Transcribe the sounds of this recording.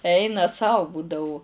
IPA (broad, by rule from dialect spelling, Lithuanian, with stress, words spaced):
ˈɛɪnɐ ˈsɐʊ ˈbuːdɐʊ